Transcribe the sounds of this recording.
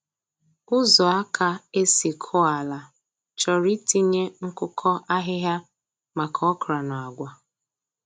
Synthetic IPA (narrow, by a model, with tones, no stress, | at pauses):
ʊ˦zɔ˨a˦kʰa˨e˦si˨kʰɔ˦a˨la˨ | t͡ʃɔ˨ɾi˦ti˦ɲe˦ŋ̩˦kʊ˦kʰɔ˦a˦ɦɪ˦ɦja˦ | ma˨kʰɔ˦kɾa˨nɔ˨a˨ɡʷa˨